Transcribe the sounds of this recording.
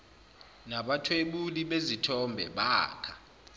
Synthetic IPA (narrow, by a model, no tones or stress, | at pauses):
naɓatʰweɓuliɓezitʰɔmbʱɛ̰ɓaːkʰa